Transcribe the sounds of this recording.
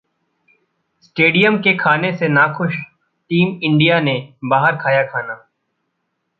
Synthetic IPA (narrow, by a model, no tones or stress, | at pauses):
sʈeːɖijəmkekʰaːnesenaːxʊʃ | ʈiːmɪ̃ɳɖijanebaːɦəɾkʰaːjakʰaːnaː